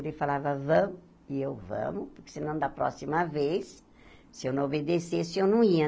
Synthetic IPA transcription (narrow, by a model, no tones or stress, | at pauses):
ɾefalavɐvɐ̃mʊ | ɪewvɐ̰̃mʊpʊɾkɪ̥sɪnɐ̃w̃d̪ɐpɾɔ̰simɐvejs | sɪewnɐ̃obed̪esesɪewnɐ̃w̃iɐ